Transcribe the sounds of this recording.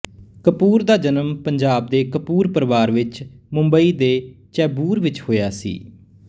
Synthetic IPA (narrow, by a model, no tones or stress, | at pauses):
kəpuːɾd̪aːd͡ʒənəmpəɲd͡ʒaːb̚d̪eːkəpuːɾpəɾʋaːɾʋɪt͡ʃmʊmbəiːd̪eːt͡ʃɛːbuːɾʋɪt͡ʃhoːjaːsḭː